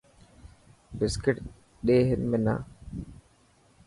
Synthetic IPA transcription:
bɪskɪʈ | ɗeːɦɪnmena̰

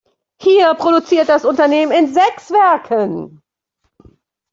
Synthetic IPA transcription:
hiːɐpʁ̥oɾut͡siːɐt̚d̥asʊntɐneːmənɪnzɛksv̥ɛɐkʰən

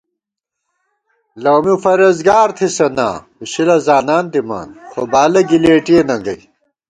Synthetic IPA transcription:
lɐwmifɐɾɐzɡaːɾt̪ʰisɐna̰ː | uɕilɐzaːnaːnt̪ima̰ːnxobaːlɐɡileːʈienɐŋɡɐ̰j

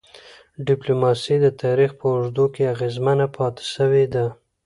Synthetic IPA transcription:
ɖɪplomɑsid̪ət̪ʰɑɾixpəʊʐd̪okeaɣezmənapʰɑt̪e̥ʃəwed̪a

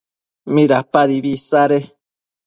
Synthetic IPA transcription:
mĩɾapaɾiβisaɾe

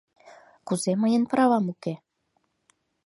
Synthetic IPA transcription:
kuzemə̆jənpə̆ɾɑβɑmuke

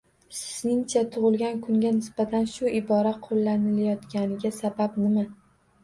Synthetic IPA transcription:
sɪ̥znɪŋt͡ʃʰat̪ʰʊʁɨlˠɡʲankʰʊŋɡʲanɪsb̥at̪ʰanʃʊɪbɒɾaqʰolːanɪlajɒt̪kʲanɪɡʲasabapnɪma

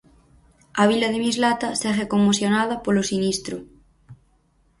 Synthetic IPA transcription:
aβ̞ilaðemizlat̪asɛrekomːoθjonað̞ɐpolosinist̪ɾo

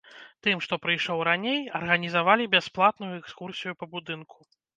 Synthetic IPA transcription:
t̪ɨmʂt̪ɔpɾɨjʂɔwɾanʲejɐrɣɐnʲizavalʲibʲasplˠat̪nujuɛkskursʲijupɐbud̪ɨnkʰu̥

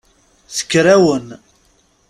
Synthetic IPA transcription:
θə̥kːɾæwən

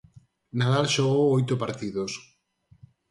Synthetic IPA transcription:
naðalʃoɣowojt̪opaɾt̪iðos

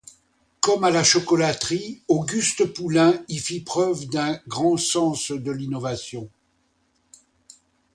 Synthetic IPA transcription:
kɔmalaʃɔkɔlat̪χioɡyst̪əpulɛ̃ifipχœvd̪ɛ̃ɡʁɑ̃sɑ̃sd̪əlinɔvasjɔ̃

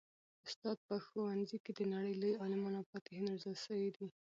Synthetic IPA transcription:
ʊst̪ɑd̪̚pəxowanziked̪ənaɽəjləjɑlɪmɑnapɑt̪ehenazəlsəwid̪i

